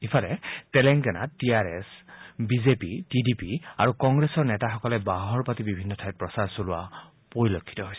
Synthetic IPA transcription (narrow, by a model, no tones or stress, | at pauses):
ipʰalɛtɛlɛŋɡɛna̰ttiaɹɛ̰sbizepitidipia̰ɹukɔŋɡɹesɔɹnɛtaxɔkɔlɛbaɦɔɹpatibibʱinːɔtʰajt̚pɹɔsaɹsolʊwa̰ | poɹilokʰːi̥tɔɦojsɛ